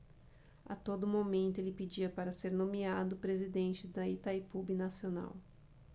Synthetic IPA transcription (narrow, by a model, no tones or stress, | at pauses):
a̰t̪od̪ʊmomẽnt̪ʊelɪped͡ʒiɐpaɾɐseɾnõmiad̪ʊpɾezid̪ẽnt͡ʃɪd̪ɐit̪ajpubɪnasiona̰w